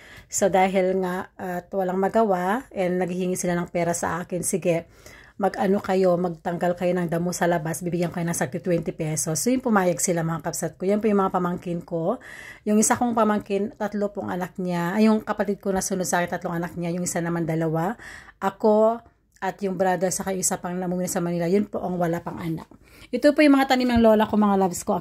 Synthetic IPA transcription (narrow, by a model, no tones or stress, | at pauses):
so̞d̪aːɦɪlŋaʔʔɐt̪wɐlaŋmɐɡɐwaʔɛnnɐɡɪhɪŋisɪlanɐŋpɛːɾɐsɐ̰ʔaːkɪnsɪɡɛ | mɐɡʔɐno̞kɐjo̞mɐɡ̚t̪ɐŋɡalkɐjo̞nɐŋd̪ɐmosɐlɐbasbibɪɡjankɐjo̞nɐŋsɐɡ̚t̪ɪt̪wɛnt̪ɪpɛso̞sːojʊŋpʊmaːjɐɡsɪlamɐŋakɐpsɐt̪̚kojɐnpojʊŋmɐŋapɐmɐŋkɪnko̞jʊŋʔɪsakoŋpɐmɐŋkɪnt̪ɐt̪lopoŋʔɐ̰nak̚ɲajʊŋkɐpɐt̪id̪̚konɐsʊnod̪sɐʔaːkɪnt̪ɐt̪lo̞ŋʔɐnak̚ɲajʊŋɪsanɐmand̪ɐlɐwaʔɐko̞ | ʔɐt̪jʊŋbɾaːd̪oɐjsɐkɐʔɪsapɐŋnɐmuːminɐsɐmɐnilajʊnpo̞ʔɐŋwɐlapɐŋʔana̰k̚ | ʔɛt̪opojʊŋmɐŋat̪ɐnimnɐŋlo̞ːlɐkoŋmɐŋalabsko